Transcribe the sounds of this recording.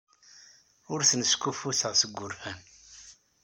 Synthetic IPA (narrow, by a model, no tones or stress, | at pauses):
ʊɾθənəskufuθəʁsəɡːʊɾfæn